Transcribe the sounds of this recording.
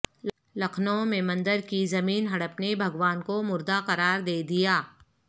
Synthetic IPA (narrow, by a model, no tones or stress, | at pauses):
lɐkʰnoõmẽmɐ̃nd̪əɾkizɐmiːnɦɐɽəpnebʱɐɡʋaːnkomʊɾd̪aqɐɾaːɾd̪eːd̪ijaː